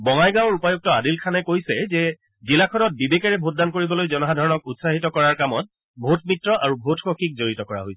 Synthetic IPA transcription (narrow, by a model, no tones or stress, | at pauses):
bɔŋajɡãwɔɹupajuk̚tɔadilkʰanɛkojsɛzɛ | zilakʰɔnɔt̚bibekɛɹɛbʱot̚dankoɹibɔlojzɔnɔɦadʱɔɹɔnɔkutsaɦitɔkɔɹaɹkamɔt̚ | bʱotmitɹɔʔaɹubʱotxokʰik̚zoɹitɔkɔɹa̰ɦojsɛ